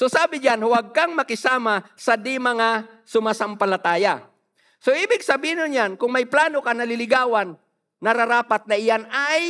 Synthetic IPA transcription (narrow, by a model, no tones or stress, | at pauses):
sosaːbɪd͡ʒanhʊwaɡ̚kaŋmɐkɪsaːmasɐd̪ɪmɐŋa | sʊmasampɐlat̪aːja | soiːbɪɡsɐbiːhɪnʊnjankʊŋmajplaːnokanɐlɪlɪɡaːwanː | ɐɾaɾaːpat̪̚nɐɪjanaj